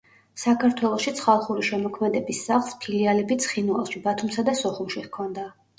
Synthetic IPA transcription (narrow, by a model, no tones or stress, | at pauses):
sakʰaɾt̪ʰwɛlˠɔʃit̪sʰχalˠχuɾiʃɛmɔkʰmɛd̪ɛbisːaχlˠspʰilialɛbit̪sʰχinwalˠʃibat̪ʰumsad̪asɔχumʃiʁkʰɔnd̪a